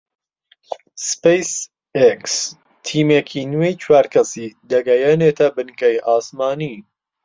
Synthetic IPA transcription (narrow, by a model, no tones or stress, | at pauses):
spejs | eks | t̪ʰiːmekʰiːnwejt͡ʃʰwaːɾkʰɐsiːd̪ɐɡɐjɛneːt̪ʰɐbɨnkɛjʔɑːsmɑːniː